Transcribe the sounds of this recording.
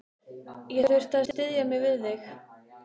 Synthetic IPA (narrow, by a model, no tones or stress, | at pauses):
jɛɾʏɾ̥t̪ast̪ɪðjamɪɣvɪðlɪx